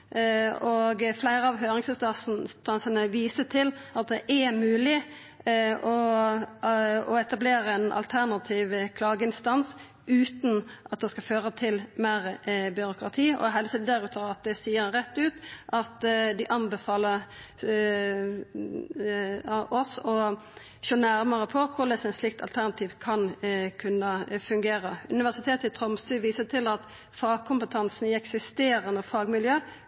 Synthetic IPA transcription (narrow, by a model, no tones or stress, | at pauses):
ɔɡflæɪɾəɑʋɦøːɾɪŋsəst̪ɑsst̪ɑnsənəʋiːsət̪ʰɪlɑt̪̚d̪ɛʔɛmʉːlɪ | ɔ | ɔɛt̪ɑbleːɾəɛnɑ̰lt̪ʰæʁnɑt̪ʰiːʋkʰlɑːɡəɪnst̪ɑns | ʔʉːt̪nʔɑt̪̚d̪ɛskɑføːɾət̪ʰɪlmæːɾəbʏɾʊkɾɑt̪ʰiːɔ̰ɦɛlsɛd̪d̪æɾʉːt̪ʰəɑt̪̚d̪ɛsiːəɾʁɛt̪ːʉːt̪ʔɑt̪d̪ɪʔɑnbəfɑːlə | ɔsɔ | ʃoːnæɾməʁəpʰɔkʰʊʁlɛsɛɪnslɪk̚t̪ʰɑ̰lt̪ʰæʁnɑt̪ʰiːʋkʰɑnkʰʉnːəfʉŋɡeːɾəʉnɪʋæʁsɪt̪ʰeːt̪ɪt̪ʰʁɔmst̪ʉːʋiːsət̪ʰɪlɑt̪ | fɑːɡ̚kʰʊmpət̪ʰɑnsnɪɛksɪst̪eːɾənəfɑːɡmɪljøː